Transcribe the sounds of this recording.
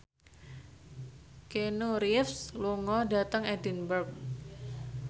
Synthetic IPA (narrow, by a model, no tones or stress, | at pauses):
kenuɾifsluŋɔdat̪əŋɛdinbərk̚